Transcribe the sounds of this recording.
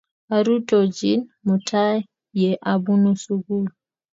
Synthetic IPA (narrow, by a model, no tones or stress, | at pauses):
ʔaɾutod͡ʒinmutʰaj | jɛʔabunɔsuɡulu